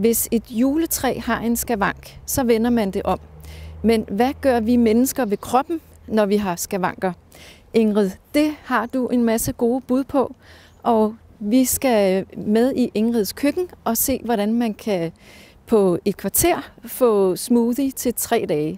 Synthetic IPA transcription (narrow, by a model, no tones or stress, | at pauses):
ʋe̝se̝d̥juːlət͡sʰʁɛ̰ːhɑ̈ʔe̝nsɡ̥æʋɑ̈ŋ̰ɡ̥sɒ̽ʋenɐmænd̥e̝ʔɒ̽mmenʋæɡ̥ɶɐ̰ʋimenəsɡ̥ɐʋe̝kʰʁɒ̽b̥n̩ | nɒʋiɦɑ̈sɡ̥æʋɑ̈ŋ̰ɡ̥ɐ | ʔe̝ŋʁið̞ˠd̥e̝hɑ̈d̥uʔe̝nmæsəɡ̥o̝ːb̥uð̞ˠpʰɒ̽ | ʔɒ̽ | ʋisɡ̥æmeð̞ˠiʔe̝ŋʁið̞ˠskʰøɡ̥n̩ʔɒ̽se̝̰ːʋɒɾænmænkʰæ | pʰɒ̽e̝d̥̚kʰʋɑ̈t͡sʰe̝ɐ̰fɔ̰̽ːsmuːðˠit͡sʰe̝lt͡sʰʁɛ̰ːd̥ɛːɪ